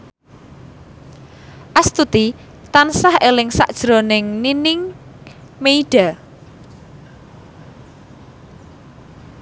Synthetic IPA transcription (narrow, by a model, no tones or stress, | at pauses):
ʔast̪ut̪i | t̪ansahelɪŋsa̰ʔd̥ʒ̥ɾonɪŋninɪŋ | meiɖ̥a̤